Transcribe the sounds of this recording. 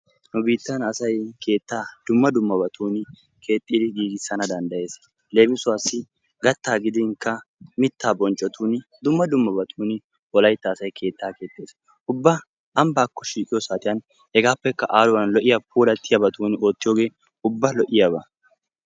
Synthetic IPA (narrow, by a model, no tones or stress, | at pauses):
nʊbiːt̪ːɐnɐsɐjkʰe̞ːt̪ːaːd̪̥ʊmːɐd̪ʊmːɐbɐt̪ʰuːnɪ | kʰe̞ːt̪ʼːɪːd̪ɪɡiːɡɪsːɐnɐd̪ɐnd̪ɐje̞ːs | le̞ːbɪsʊwaːsːɪ | ɡɐt̪ːaːɡɪd̪ɪŋkːɐmɪt̪ːaːbɔnt͡ʃʼːɔt̪uːnd̪ʊmːɐd̪ʊmːɐbɐt̪ʰuːnɪ | wɔlɐjt̪ːɐːsɐjkʰe̞ːt̪ːaːke̞ːt̪ʼːe̞ːs | ʊbːɐ | ɐmbaːkːɔʃiːkʼɪjɔsaːt̪ʼɪjɐn | hɛɡaːpːɛkːɐʔaːlʊwɐnlɔʔɪjɐpʰuːlɐt̪ːɪjɐbɐt̪uːno̞ːt̪ːɪjo̞ːɡe̞ː | ʊbːɐlɔʔɪjabɐ